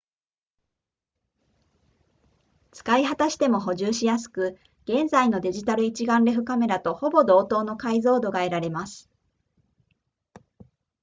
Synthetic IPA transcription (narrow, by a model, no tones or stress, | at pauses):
t͡sɨ̥kaiɦat̪aɕi̥t̪e̞mo̞ɦo̞ʑɨːɕijasɨ̥kɯ̟ | ɡ̥ẽ̞nzaino̞d̪e̞ʑit̪aɾɯ̟it͡ɕiɡãnɾe̞ɸɯ̟kame̞ɾat̪o̞ho̞bo̞d̪o̞ːt̪o̞ːno̞kaizo̞ːd̪o̞ɡae̞ɾaɾe̞masɨ̥